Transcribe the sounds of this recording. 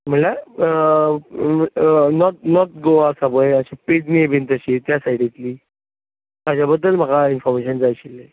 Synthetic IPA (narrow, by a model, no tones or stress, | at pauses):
m̤əla | nɔt̪̚nɔt̪̚ɡoasabəjəɕaped͡zniebʱint̪əɕit̪jasaiɽẽt̪liː | ad͡ʑabəd̪ːəlm̤aɡainfɔɾmeɕənd͡zajɕilːe